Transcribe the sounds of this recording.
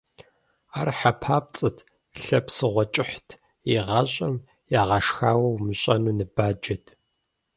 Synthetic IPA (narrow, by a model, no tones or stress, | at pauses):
aːrħapʰaːp̚t͡sʼɨtʰ | ɬɐpsɨʁʷɔt͡ʃʼɪħtʰ | iʁɐɕʼɐm | jaːʁɐʂxaːwɐwmɨɕʼɐnuːnɨbaːd͡ʒɐtʰ